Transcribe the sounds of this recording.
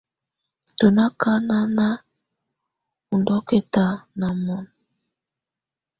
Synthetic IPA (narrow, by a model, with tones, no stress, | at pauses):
to˨na˦ka˦na˦na˦ | u˨ndɔ˦ke˦ta˨na˨mɔ˨n